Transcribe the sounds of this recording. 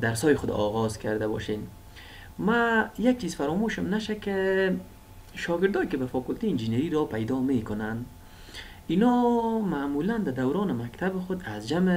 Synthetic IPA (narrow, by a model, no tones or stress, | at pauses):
d̪aɾsɔːjɪxʊd̪̰ɔɣɔzkʰaɾd̪abɔ̰ʃen | majak̚t͡ʃizfaɾɔmoʃʊmnaʃakɪ | ʃɔɡɪɾd̪ɔːjkɪbafɔkʊlt̪ejind͡ʒineɾiɾɔpajd̪ɔmekʊnand̪ | inɔmamuland̪ad̪awɾɔːnɪmakt̪ʰabɪxʊd̪azd͡ʒamɪ